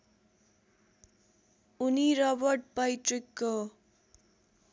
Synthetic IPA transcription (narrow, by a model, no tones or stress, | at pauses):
uniɾʌbʌrʈ̚pʌjʈrikːo